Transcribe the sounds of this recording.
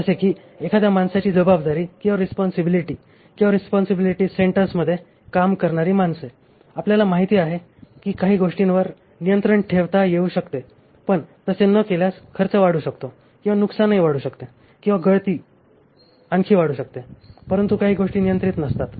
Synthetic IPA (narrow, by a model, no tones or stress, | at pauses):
əsekiː | ekʰad̪jamansat͡ɕiːd͡zəbabd̪aɾiːkĩw̃ʋaɾispɔnsibiliʈiː | kĩw̃ʋaɾispɔnsibiliʈiːseɳʈəɾsməd̪ʱːje | kamkəɾɳaɾiːmanse | apljalamaɦit̪iːaɦe | kiːkaɦiːɡoʂʈinʋəɾ | nijənt̪ɾəɳʈʰeʋt̪ajeuɕəkt̪e | pəɳt̪əsenəkeljaskʰəɾt͡səʋaɽuːɕəkt̪o | kĩw̃ʋanuksanːaɦiʋaɽuːɕəkt̪e | kĩw̃ʋaɡəɭt̪iː | aŋkʰiːʋaɽ̤uːɕək̚t̪epəɾənt̪ukaɦiːɡoʂʈiːnijənt̪ɾiːt̪nəst̪at̪